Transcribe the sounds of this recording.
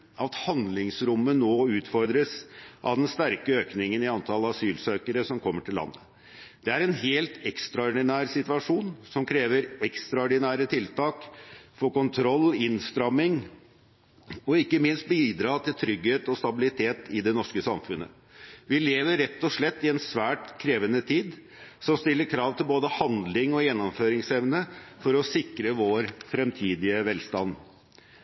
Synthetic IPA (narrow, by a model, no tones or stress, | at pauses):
ɑt̪hɑnd̪lɪŋsɾʊmːənoːʉːt̪fɔɾd̪ɾəsʔɑ̰ʋd̪ɛnst̪æɾkəøːknɪŋənɪɑnt̪ʰɑləɑsyːlsøːkəɾəsɔmkʰɔmːəʈʰɪlːɑ̰nːə | d̪̥ɛæɾɛnɦeːlt̪ɛkst̪ɾɑɔɖɪnæːɾsɪt̪ʋɑʂuːnsɔmkʰɾeːʋəɾɛkst̪ɾɑɔɖɪnæːɾət̪ʰɪlt̪ʰɑːkfɔɾkʊnt̪ʰɾɔlːɪnst̪ɾɑmːɪŋ | ɔɪkːəmɪnst̪̚biːd̪ɾɑːt̪ʰɪlt̪ʰɾʏɡheːt̪ɔst̪ɑbɪlɪt̪ʰeːt̪ɪd̪ɛnɔʂkəsɑmfʉnːə̰ | ʋɪleːʋəɾːɛt̪ːɔʂɭɛt̪ːɪɛnsʋæːʈkʰɾeːʋənət̪ʰiːd̪ | sɔmst̪ɪlːəɾkʰɾɑːʋt̪ʰɪlboːd̪əhɑnd̪lɪŋɔjɛnːɔmføːɾɪŋsɛʋnəfɔɾɔsɪkɾəʋoːɾfɾɛmt̪ʰiːd̪ɪəʋɛlst̪ɑ̰n